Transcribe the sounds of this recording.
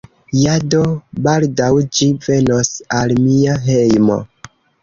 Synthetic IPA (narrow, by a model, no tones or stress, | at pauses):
jado̞baldawd͡ʒive̞no̞salmiaɦe̞jmo̞̰